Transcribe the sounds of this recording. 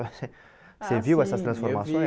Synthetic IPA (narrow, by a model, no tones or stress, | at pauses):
sɛ | sɛvjiwɛsast̪ɾɑ̃sfɔʁmasjɔ̃e